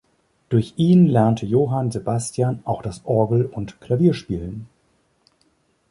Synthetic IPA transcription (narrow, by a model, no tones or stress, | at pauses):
d̥ʊɐçʔiːnlɛɐntʰəjoːɦanzebastjanʔaʊxd̥asʔɔɐɡl̩ʊntkʰl̥aviːɐʃpiːlən